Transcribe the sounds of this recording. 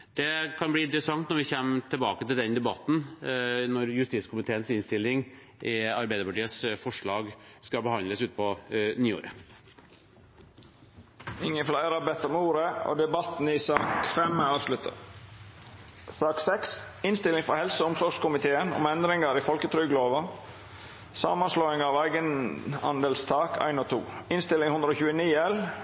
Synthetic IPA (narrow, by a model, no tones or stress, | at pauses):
d̪̥ɛkʰɑnb̪iːɪnt̪ɾəsɑŋt̪nɔɾʋɪçæːmt̪ʰɛlbɑːkət̪ɪld̪ɛnd̪ɛbɑt̪ːn̩nɔɾjʉst̪iːt̪skʰʊmɪt̪ʰeːənsɪnst̪ɪlːɪŋ | ʔɪɑɾbæɪd̪əɾpɑʈiːəsfɔʂɭɑːɡskɑbəhɑnd̪ləsʉːt̪̚pʰɔnyːo̰ːɾə | ɪŋːənflæɪɾɑbɛt̪ɔmuːɾəo̰ːd̪ɛbɑt̪n̩iːsɑːkfɛmɑːʋslʉt̪ʰə̰ | sɑːksɛksɪnst̪ɪlɪŋfɾɔhɛlsəʊmsɔɡʂkʊmɪt̪ʰeːənʊ̰mɛnd̪ɾɪŋəɾiːfɔlkət̪ʰɾʏɡloːʋə | sɑ̰ːmɑnsloːɪŋɑːʋæɪɡənhɑ̰nd̪əlst̪ʰɑːkʰæ̰ɪnoːt̪ʰṵːɪnst̪ɪlɪŋhʉnd̪ɾəoːçʉːəniːɛl